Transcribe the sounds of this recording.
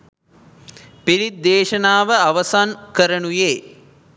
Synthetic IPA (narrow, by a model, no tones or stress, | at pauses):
piɾid̪ːeːʃənaːʋəaʋɐsankəɾənujeː